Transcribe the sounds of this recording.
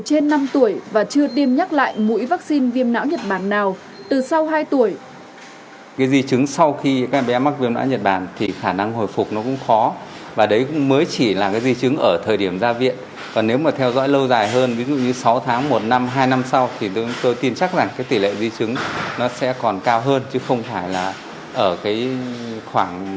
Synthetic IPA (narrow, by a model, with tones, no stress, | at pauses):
t͡ɕe˧nːa˧mt̪u˧˩əjvaː˨˩t͡ɕɨ˧əɗi˧əmɲa˦˥k̚la̰ː˧˨jmṵ˧˥jvaː˦˥k̚si˧nvi˧əmna̰ː˧˥wɲə˨˩t̚ɓaː˧˩nːaː˨˩w | t̪ɨ˨˩sa˧wɦaː˧jt̪u˧˩əj | kaː˨˦jzi˧t͡ɕɨ˨˦ŋsa˧wxi˧kaː˦˥k̚ɓɛ˨˦ma˦˥vi˧əmna̰ː˧˥wɲə˨˩t̚ɓaː˧˩nt̪ʰi˨˩xaː˧˩na˧ŋho˨˩jfʊ˨˩k͡p̚nɔ˨˦kʊ̰˧˥ŋ͡mxɔ˨˦vaː˨˩ɗə˨˦jkʊ̰˧˥ŋ͡mməː˨˦jt͡ɕi˧˩laː˨˩kaː˨˦jzi˧t͡ɕɨ˨˦ŋʔəː˧˩t̪ʰəː˨˩jɗi˧˩əmzaː˧vḭ˧˨ən | kɔ˨˩nːe˨˦wmaː˨˩t̪ʰɛ˧wzɔ̰˧˥jlə˧wzaː˨˩jɦəː˧nvi˨˦zṵ˧˨ɲɨ˧sa˨˦wt̪ʰaː˨˦ŋmo˨˩t̚na˧mɦaː˧jna˧msa˧wt̪ʰi˨˩t̪t̪o˧jt̪i˧nt͡ɕa˦˥k̚za˨˩ŋkaː˨˦jt̪i˧˩lḛ˧˨zi˧t͡ɕɨ˨˦ŋnɔ˨˦sɛ̰˧˥kɔ˨˩nkaː˧wɦəː˧nt͡ɕɨ˨˦xə˧wŋ͡mfaː˧˩jlaː˨˩ | ʔəː˧˩kaː˨˦jxwaː˧˩ŋ